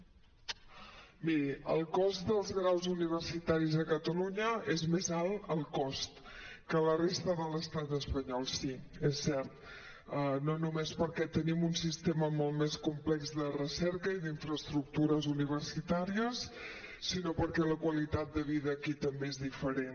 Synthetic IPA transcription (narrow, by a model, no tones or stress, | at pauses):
miɾiə̰lˠkɔst̪d̪əlˠzɣɾawzuniβ̞ərsit̪aɾizəkət̪əluɲəezmezalˠəlˠkɔst̪ | kələrest̪əðələst̪at̪əspəɲɔlˠsiesːɛɾt̪̚ | ənonumespəɾkɛt̪ənimunsist̪eməmɔlˠt̪meskumplɛkzðərəsɛɾkəiðiɱfɾəst̪ɾuk̚t̪uɾəzuniβ̞ərsit̪aɾiəsː | inopəɾkɛləkwəlit̪at̪̚d̪əβ̞iðəːkit̪əmbeezðifəɾen